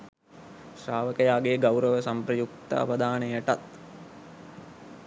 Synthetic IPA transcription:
ʃraːʋəkəjaːɡeːɡawɾəʋəsampɾəjuk̚t̪a̰ːʋəd̪ʱaːnejəʈat̪

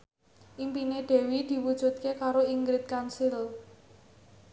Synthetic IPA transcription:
ʔimpineɖ̪̥e̤wid̪̥i̤wud̥ʒ̥ṳt̪̚kekaɾoiŋɡɾɪt̪̚kansɪl

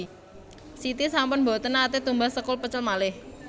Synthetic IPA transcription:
sit̪isampʊnbo̤t̪ənaːt̪et̪umbahsəkʊlpət͡ʃəlmalɪh

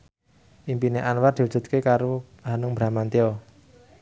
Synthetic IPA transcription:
ʔimpineʔanward̪i̤wu̥dd͡ʒ̥ṳt̪̚kekaɾo | ɦanʊŋbɾa̤mant̪iɔ

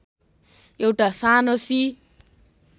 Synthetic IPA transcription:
ewʈasanosi

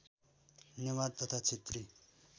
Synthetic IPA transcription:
nemad̪̚t̪ʌt̪ʰat͡sʰet̪ri

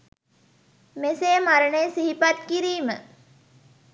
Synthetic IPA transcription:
meseːmaɾəɳəjsiɦipat̪kiɾiːmə

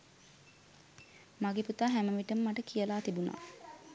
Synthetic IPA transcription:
maɡeput̪aːɦæməʋiʈəməmaʈəkijəlaːt̪ibuna̰ː

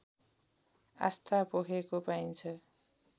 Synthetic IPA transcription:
a̰st̪ʰapokʰekopajnt͡sʰʌ

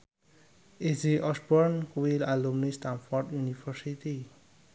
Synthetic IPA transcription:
eziʔɔsbɔrnkwilalumnist̪anfɔrɖjunifərsit̪i

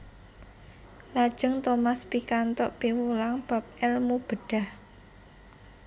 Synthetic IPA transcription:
lad̥ʒ̥əŋt̪omaspikant̪ɔʔpimulaŋb̥a̤p̚ɛlmub̥ə̤ɖ̥a̤h

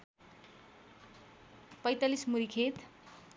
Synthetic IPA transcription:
pʌjt̪alismuɾikʰet̪

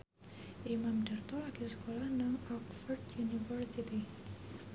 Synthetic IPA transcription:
ʔimamɖ̪̥art̪ɔlaɡ̥isə̥kolahnaŋɔkfərdjunifərsit̪i

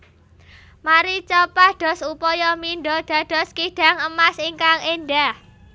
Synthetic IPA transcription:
maɾit͡ʃɔpahɖ̪̥ɔ̤supɔjɔminɖɔɖ̥a̤ɖ̥ɔ̤skiɖ̥a̤ŋəmasiŋkaŋenɖah

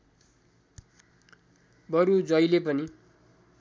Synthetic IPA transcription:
bʌɾud͡zʌjlepʌni

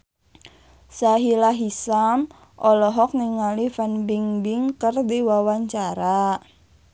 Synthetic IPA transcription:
saɦilaɦisam | ʔɔlɔɦɔk̚niŋalifanbiŋbiŋkərdiwawaɲt͡ʃaɾa

